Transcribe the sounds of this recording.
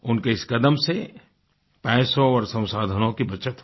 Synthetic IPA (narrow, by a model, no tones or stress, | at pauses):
ʊnkeɪskəd̪əmse | pɛːsõɔːɾsɐ̃w̃saːd̪ʱənõkibɐt͡ʃət̪